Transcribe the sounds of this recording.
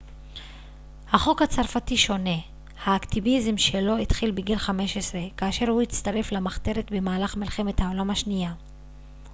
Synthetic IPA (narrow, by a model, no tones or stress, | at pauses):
haχo̞khat͡saʁfatiʃo̞ne̞ | haːkt̪ivizmʃe̞lo̞it̪χilbeɡilχame̞ʃesʁe̞kaːʃe̞ʁhuit͡st̪aʁe̞flamaχt̪e̞ʁet̪bemaːlaχmilχe̞met̪hao̞lamhaʃnija